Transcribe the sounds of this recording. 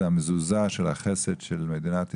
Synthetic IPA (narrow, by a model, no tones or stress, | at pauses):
amezuzaʃelhaχesedʃelmed̪inat̪